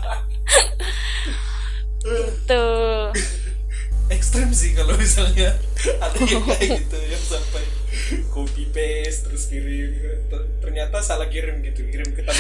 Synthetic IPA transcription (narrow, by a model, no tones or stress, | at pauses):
ə | t̪u | ɛkst̪ɾɛmsɪhkalomisalɲa | ad̪apaɡit̪ujaŋsampaj | kopipɛ | st̪əɾʊskiɾɪm | t̪ə | t̪ərɲat̪asalahɡiɾɪmɡit̪uɡiɾɪmkət̪a